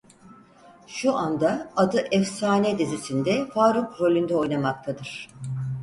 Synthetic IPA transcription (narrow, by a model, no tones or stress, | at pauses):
ʃuʔand̪aad̪ɯʔɛfsaːnɛd̪izisind̪ɛfaːɾukɾo̞lʲynd̪ɛo̞jnamak̚t̪ʰad̪ɯɾ̥